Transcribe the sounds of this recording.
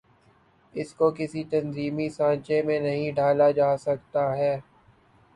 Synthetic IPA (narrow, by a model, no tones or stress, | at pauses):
ɪskokɪsit̪ɐnziːmisãːt͡ʃẽmẽnɐɦĩɖʱaːlad͡ʒaːsɐk̚t̪aɦɛː